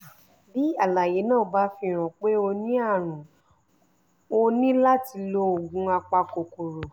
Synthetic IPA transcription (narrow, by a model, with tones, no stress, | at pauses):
bi˨˦a˦˨la˨je˨˦nãː˦˨o˨˧˦ba˧˦fi˧˨ɾ̃ɔ̃˨k͡pe˦o˧nĩ˦a˦˨ɾ̃ũ˨ | o˧nĩ˦la˦ti˧lo˧o˨ɡũ˦a˧k͡pa˧ko˨ko˨ɾo˨